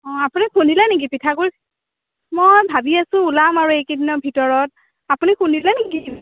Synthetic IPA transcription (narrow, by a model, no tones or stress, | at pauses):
ɔ̃apunikʰundilanek̬ipitʰakuɹ | mojbʱabiasʊ̃ulamaɹuejkidinɔbʱitɔɹɔt̚ | apunikʰundilaneki